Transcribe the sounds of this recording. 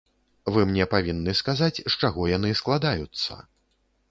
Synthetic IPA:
vɨmnʲɛpavʲinːɨskazat͡sʲʂt͡ʂaɣɔjanɨsklˠad̪ajut̪sːɐ̰

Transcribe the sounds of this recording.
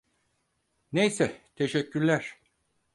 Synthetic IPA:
nejsɛt̪ʰe̞ʃɛcʰːyɾlʲæɾ̥

